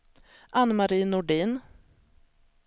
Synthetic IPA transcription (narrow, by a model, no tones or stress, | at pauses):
ʔanːmaɾiːnːʊɖiːn